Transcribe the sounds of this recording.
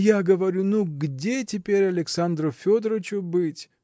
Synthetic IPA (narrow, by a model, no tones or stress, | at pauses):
jaɡəvɐɾʲunuɡdʲetʲɪpʲeɾʲɐlʲɪksand̪ɾʊfʲod̪ɾət͡ɕʊbɨtʲ